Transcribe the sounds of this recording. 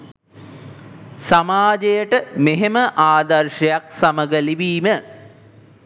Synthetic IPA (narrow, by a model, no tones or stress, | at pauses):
samaːd͡ʒejəʈəmeɦeməʔaːd̪ɐrʃəjak̚saməɡəliʋiːmə